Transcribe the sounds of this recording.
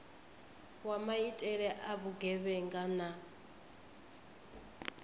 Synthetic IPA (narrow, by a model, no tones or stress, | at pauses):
wamaitʼɛɺɛʔaβuɡɛβɛŋɡana